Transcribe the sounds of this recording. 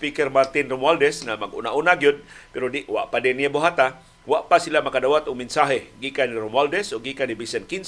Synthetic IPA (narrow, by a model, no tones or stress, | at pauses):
spikɛrmart̪inrɔmwaldɛsŋamaɡṵnaʔunaɡiʊd̪̚piɾudiʔwa̰ʔpadeniaboɦat̪a | waʔpasilamakadawat̪uŋminsaɦeɡikaniɾɔmwaldɛsoɡikanibisɛnkins